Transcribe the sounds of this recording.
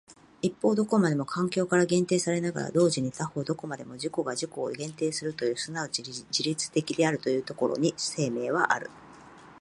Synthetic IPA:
ipːo̞ːd̪o̞ko̞mad̪e̞mo̞kʰãŋkʲo̞ːkaɾaɡẽ̞nt̪e̞ːsaɾe̞naɡa̰ɾa̰d̪o̞ːʑiɲ̟it̪aho̞ːd̪o̞ko̞mad̪e̞̰mo̞ʑiko̞ɡaʑiko̞̰ːɡẽ̞nt̪e̞ːsɨɾɯ̟t̪o̞jɯ̟ːsɨnaod͡ʑiɾʲit͡sɨ̥t̪e̞kʲid̪e̞aɾɯ̟t̪o̞jɯ̟ːt̪o̞ko̞ɾo̰ɲ̟ise̞ːme̞ːβ̞aʔaɾɯ̟̰

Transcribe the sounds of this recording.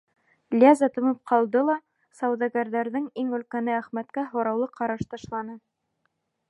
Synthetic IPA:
lʲazɑt̪ŏmɤp̚qʰɑlˠd̪ɤlˠɑ | sɑwðɑɡæɾðæɾðɘŋiŋɵ̆lkænɘæχmæt̪kæɦŏɾɑwlˠɤqʰɑɾɑʃt̪ɑʃlˠɑnɤ

